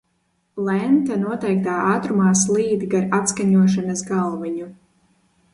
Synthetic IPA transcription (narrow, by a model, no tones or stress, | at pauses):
lˠɛnt̪anuɔt̪ɛjk̚t̪aːaːt̪ɾumaːslˠiːd̪ɡaɾat̪skaɲuɔʃanasɡalˠviɲu